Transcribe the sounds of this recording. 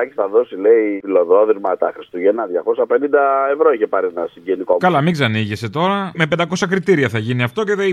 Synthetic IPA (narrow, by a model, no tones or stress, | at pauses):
ɐcisθɐðo̞sileifilo̞ðoðɾimɐt̪ɐxɾist̪uʝenɐðʝɐkosɐpe̞nind̪ɐevɾo̞içepɐɾienɐsiɲɟenikokɐlɐmiɡzɐniʝese̞t̪o̞ɾɐmep̬end̪ɐko̞sɐkɾit̪iɾiɐθɐʝiniɐft̪o̞ceðei